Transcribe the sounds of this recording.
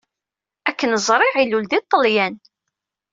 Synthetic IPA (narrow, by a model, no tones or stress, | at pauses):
ækːənəzˤɾˤɪʕiluld̪it̪ˤːəljæn